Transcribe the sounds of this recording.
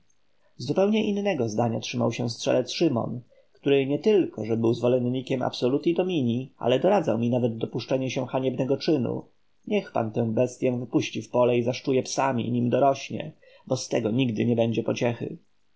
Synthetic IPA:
zupɛwɲɛʔinːɛɡɔzd̪aɲatʂɘma̰wɕɛ̃st̪ʂɛ̰lɛt̪sʂɘmɔ̰n | kt̪uɾɘɲɛt̪ɘlkɔʐɛbɘwzvɔlɛnɲːikʲɛma̰psɔlut̪id̪ɔmʲiɲia̰lɛd̪ɔɾad̪zawmʲinavɛd̪̚d̪ɔpuʂt͡ʂɛɲɛɕɛ̃xaɲɛbnɛɡɔt͡ʂɘnṵ | ɲɛxpa̰nt̪ɛ̃w̃bɛst̪ʲjɛ̃vɘpuɕt͡ɕifpɔlɛizaʂt͡ʂujɛpsamʲḭɲimd̪ɔɾɔɕɲɛ̰ | bɔst̪ɛɡɔɲiɡd̪ɘ̰ɲɛbɛɲd͡ʑɛpɔt͡ɕɛxɘ̰

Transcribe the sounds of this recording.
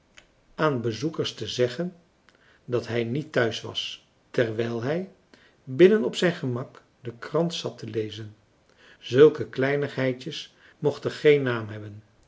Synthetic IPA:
ʔaːnbəzukəɹstəzɛχən | dɑtɦɛjnitːœɥsʋɑ̰s | tɛɹʋɛjlˠɦɛj | bɪnənɔpsɛjnχəmɑk | dəkrɑntsɑtəlejzən | z̥ɵlˠkəklɛjnəχɦɛjtəs | mɔχtəχejnːaːmɦɛbən

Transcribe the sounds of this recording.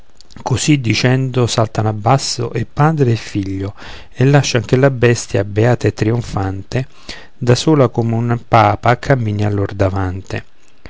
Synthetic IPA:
kosid̪ːit͡ʃɛnd̪ʊsalt̪anabːasːo̰ʔepːaːd̪ɾeːfiʎːʊ | elːaʃːaŋk̟elabɛst̪ja̰beaːt̪aet̪ːɾioɱfant̪e | d̪asuːlakomeunpaːpakʰːamːiːnjalːord̪avant̪ɪ

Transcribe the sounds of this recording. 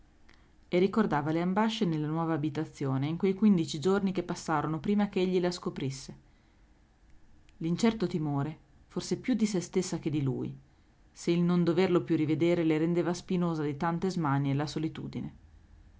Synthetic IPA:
erːikord̪aːvaleambaʃːenelːanwɔːvaːbit̪at̪sːjoːneiŋkwejkwind̪it͡ʃid͡ʒornikepːasːaːɾonopɾiːmakeeʎːilaskopɾisːe | lint͡ʃɛrt̪ot̪imoːɾe | forsepjud̪isest̪esːak̟ed̪ilṵːj | seilnond̪overlopjurːived̪eːɾeleɾend̪eːvaspinoːzad̪it̪ant̪ezmanielasolit̪ṵːd̪ine

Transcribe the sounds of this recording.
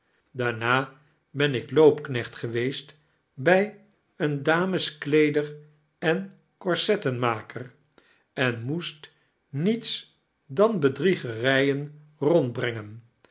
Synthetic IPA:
daːɹnaː | bɛnɪklowpknɛχtχəʋejst | bɛj | əndaːməsklejdər | ɛn | kɔɹsɛtənmaːkər | ɛnmust | nits | dɑnbədriχərɛjən | rɔnd̚brɛŋən

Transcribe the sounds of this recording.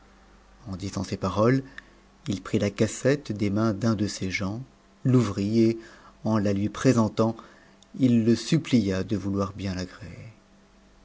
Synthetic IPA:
ɑ̃d̪izɑ̃sepaʁɔl | ilpχilakasɛt̪d̪emɛ̃d̪ɛ̃d̪əseʒɑ̃ | luvʁieɑ̃lalɥipχezɑ̃t̪ɑ̃ | ilːəsyplijad̪əvulwaʁbjɛ̃laɡʁee

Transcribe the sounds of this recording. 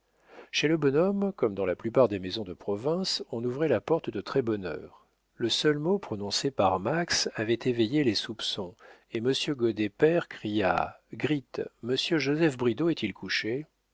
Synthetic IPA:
ʃeləbɔnɔmkɔmd̪ɑ̃laplypaʁd̪emezɔ̃d̪əpχɔvɛ̃sɔ̃nuvʁɛlapɔʁt̪d̪ət̪χɛbɔnœ̰ːʁ | ləsœlmopχɔnɔ̃sepaʁmaksavɛt̪evejelesupsɔ̃eməsjøɡod̪epɛʁkχija̰ɡʁit̪məsjøʒozɛfbʁid̪oɛt̪ilkuʃe

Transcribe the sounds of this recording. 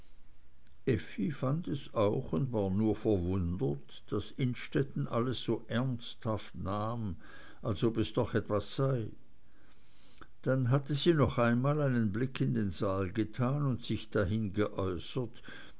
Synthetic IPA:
ʔɛfifandɛsaʊxʊndvaːɐnuːɐfɛɐvʊndət | d̥asɪnʃtɛtn̩ʔaləsːoːʔɛɐnsthaftnaːm | ʔalsobɛsd̥ɔχɛtv̥asːaɪ | d̥anɦatəziːnɔχaɪnmaːlaɪnənblɪkʰːɪndeːnzaːlɡətʰaːnʊntsɪçd̥aɦɪnɡəʔɔʏsət

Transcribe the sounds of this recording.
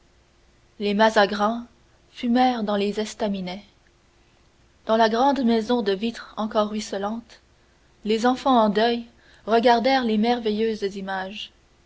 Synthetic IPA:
lemazaɡʁɑ̃ | fymɛːʁd̪ɑ̃lezɛst̪aminɛ | d̪̥ɑ̃laɡʁɑ̃d̪mɛzɔ̃d̪əvit̪χɑ̃kɔʁːɥisəlɑ̃t̪ | lezɑ̃fɑ̃ɑ̃d̪œj | ʁəɡaʁd̪ɛʁlemɛʁvejøːzzimaʒ

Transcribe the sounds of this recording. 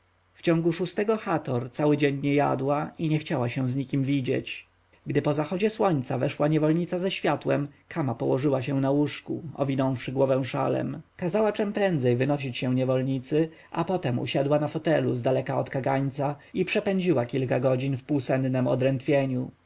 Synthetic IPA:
ft͡ɕɔ̃ŋɡuʂust̪ɛɡɔxat̪ɔɾt̪sawɘd͡ʑeɲɲɛja̰d̪waiɲɛxt͡ɕawaɕɛ̃w̃zɲikʲimvʲid͡ʑḛt͡ɕ | ɡd̪ɘpɔzaxɔd͡ʑɛswɔɲt̪savɛʂwaɲɛvɔlɲit̪sazaɕfʲjat̪wɛmkʰamapɔwɔʐɘwaɕɛw̃nawuʂkuɔ̰vʲinɔ̃w̃fʂɘɡwɔvɛw̃ʂa̰lɛ̰mkazawat͡ʂɛmpɾɛnd̪zɛjvɘnɔɕ̬it͡ɕɕɛw̃ɲɛvɔlɲit̪sɘ | ʔa̰pɔt̪ɛmṵɕad̪wanafɔt̪ɛluzd̪alɛkaɔt̪kaɡaɲt̪saipʂɛpɛɲd͡ʑiwakʲilkaɡɔd͡ʑinfpuwsɛnd̪nɛmɔ̰d̪ɾɛnt̪fʲjeɲu

